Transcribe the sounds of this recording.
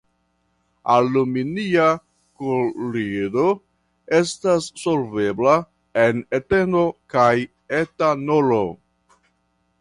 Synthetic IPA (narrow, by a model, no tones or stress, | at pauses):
aluminia | kolido̞ | e̞stasːo̞lve̞bla | ene̞te̞no̞kaj | etanolo